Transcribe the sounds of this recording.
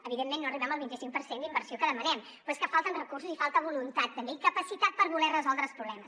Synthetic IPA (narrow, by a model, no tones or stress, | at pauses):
əβiðemːenːoəriβɛməlˠβint̪isiŋ̚pəɾsend̪imbəɾsiokəðəmənɛm | pweskəfalˠt̪ənrəkursuzifalˠt̪əβ̞ulunt̪at̪ːəmbeikəpəsit̪at̪̚pəɾβulɛrəzɔlˠd̪ɾəlˠspɾuβlɛməs